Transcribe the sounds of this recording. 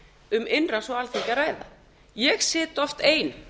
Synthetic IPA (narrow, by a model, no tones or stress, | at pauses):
ʏmɪnrasɔalθɪcaɾaːjða̰ | jɛɣsɪːt̪ɔft̪eːjn